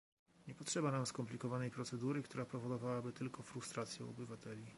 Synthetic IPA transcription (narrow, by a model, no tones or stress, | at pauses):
ɲɛpɔtʂɛbanamskɔmplʲikɔvanɛjpɾɔt̪sɛd̪uɾɘkt̪uɾapɾɔvɔd̪ɔvawabɘt̪ɘlkɔfɾust̪ɾat̪sʲjɛɔ̰bɘvat̪ɛlʲi